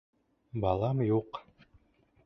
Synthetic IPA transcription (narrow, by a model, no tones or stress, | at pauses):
bɑlˠɑmjuq